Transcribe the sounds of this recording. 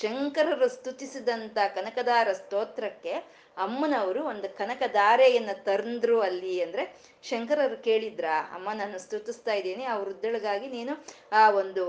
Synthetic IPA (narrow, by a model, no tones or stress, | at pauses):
ʃɐŋkɐɾɐɾust̪ut̪isid̪ɐnt̪ɐkɐnɐkɐd̪aːɾɐst̪oːt̪ɾɐkːe̞ | ɐmːɐnɐʋɐɾuo̞nd̪ukɐnɐkɐd̪aːɾɛjɐnːɐt̪ɐɾnd̪ɾuːɐlːiɐnd̪ɐɾe̞ | ʃɐŋkɐɾɐɾuke̞ːɭid̪ɾaːɐ̰mːɐnaːnːust̪ut̪ist̪aːjid̪eːniɐʋɐɾud̪ːɐɭɐɡaːɡiniːnu | aːo̞nd̪u